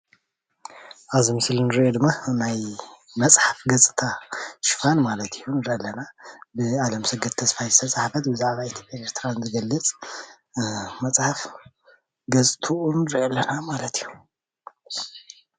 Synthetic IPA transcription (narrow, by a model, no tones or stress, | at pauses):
ʔazimɨsɨlnɨɾiʔod̪ɨmːanaj | mɐt͡sʼħafɡɐt͡sʼɨt̪ʰaʃɪ̥fanmalɐt̪ʰijunɨɾʔalːɐnabɨalɐmsɨɡɐt̪ʰːɐsfajzɨt̪ʰɐsʼaħfɐt̪bɨzaʕβait̪ʰopʼjaʔeɾt̪ʰɨɾanzɨɡɐlːɨt͡sʼ | mɐt͡sʼħaf | ɡɐt͡sʼt̪ʰuʔunɨɾiʔɐlːɐnamalɐt̪ʰijːu